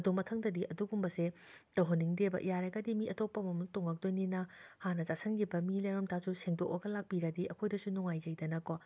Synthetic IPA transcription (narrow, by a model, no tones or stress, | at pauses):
ɐdumɐtʰɐŋdɐdiʔɐduɡumbɐsetɐɦoniŋdebɐ̰ʔḭjaɾɐɡɐdimiɐtopːɐmɐmutoŋɐk̚dojninɐhanɐzasʰɐŋɡibɐmilejɾɐmtʰasuseŋdok̚bɐɡɐlak̚piɾɐdiʔɐkʰojdɐsunuŋajzɐjdɐnɐko